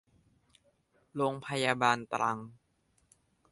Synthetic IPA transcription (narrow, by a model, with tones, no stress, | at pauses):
loː˧ŋpʰa˧jaː˧baː˧nt̪ɾʔa˧ŋ